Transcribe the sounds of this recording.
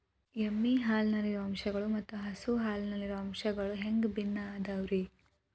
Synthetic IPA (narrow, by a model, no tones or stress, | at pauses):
emːiɦaːlnɐliɾuɐmʃɐɡɐɭumɐt̪ːuɦɐsuɦaːlnɐliɾuɐmʃɐɡɐɭuɦeŋɡbinːɐːd̪ɐʋɾi